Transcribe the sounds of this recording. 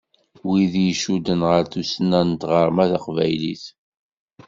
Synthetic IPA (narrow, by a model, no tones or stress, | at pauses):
wiðjʃud̪ənʁəɾθusənænt̪ʁəɾˤmæθaqvæjliθ